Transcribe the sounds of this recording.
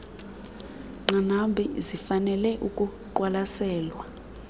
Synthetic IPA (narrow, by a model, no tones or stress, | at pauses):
ŋ͡ǃanambʱizifanɛlɛʔukʼuǃwalasɛːlwa